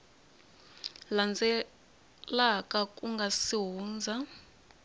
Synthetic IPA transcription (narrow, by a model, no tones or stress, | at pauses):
land͡zʱɛ | lakʼakʼuŋɡasiɦuːnd͡zʱa